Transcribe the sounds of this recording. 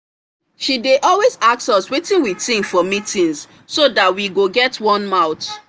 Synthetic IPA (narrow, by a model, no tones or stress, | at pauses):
ʃideʔɔlwezak̚sɔswetĩnwitĩŋfɔmitĩns | sodatwiɡoɡɛtwɔ̃nmaʊt